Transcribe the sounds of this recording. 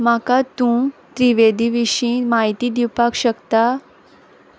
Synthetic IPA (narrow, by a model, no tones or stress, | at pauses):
makat̪ũt̪ɾiʋed̪ʱiʋiɕĩmaɦit̪id̪iwpakɕəkt̪a